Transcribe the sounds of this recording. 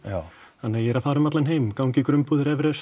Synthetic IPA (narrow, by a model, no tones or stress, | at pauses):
ahanːajɛɾaðfaːɾʏmat̪lanheːjmkawɲcɪkɾʏmpuðɪɾɛvɾɛs